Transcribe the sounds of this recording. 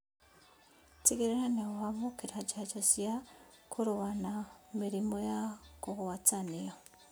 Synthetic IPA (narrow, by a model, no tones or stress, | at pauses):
t͡siɡiɾeɾanewamukiɾat͡ʃat͡ʃosia | kʰuɾuβanamiɾimojakoɣuβat͡sanijo